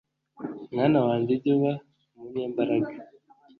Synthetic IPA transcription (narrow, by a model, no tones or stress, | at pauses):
mŋaːnawaːɲdiɟoβa | muɲeːmbaɾaɡa